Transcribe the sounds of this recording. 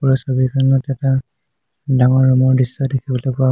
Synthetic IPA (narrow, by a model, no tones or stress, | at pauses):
uɹɔsɔbikanɔtɛta | daŋɔɹːɔmɔɹdisɔdekʰibɔlɔpʊa